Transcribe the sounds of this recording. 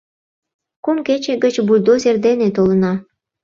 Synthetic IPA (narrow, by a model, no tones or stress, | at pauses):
kumket͡ɕeɡət͡ɕbulʲd̪ozerd̪enet̪olənɑ